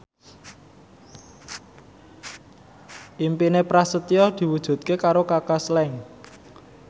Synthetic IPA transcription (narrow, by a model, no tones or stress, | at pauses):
ʔimpinepɾasət̪ijɔd̪̥i̤wud̥ʒ̥ṳt̪̚kekaɾokakaslɛŋ